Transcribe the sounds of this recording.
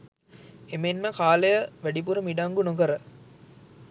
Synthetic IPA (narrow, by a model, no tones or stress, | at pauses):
emenməkaːlejəʋæɖip̬uɾəmiɖaŋɡunokəɾə